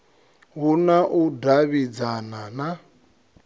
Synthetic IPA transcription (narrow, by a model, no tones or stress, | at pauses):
ɦunaʔudaβid͡zanana